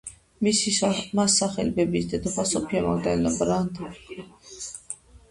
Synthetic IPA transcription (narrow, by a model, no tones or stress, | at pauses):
misimasːaχɛ̰lbɛbisd̪ɛd̪ɔχasɔpʰiamaɡd̪ɛlabɾand̪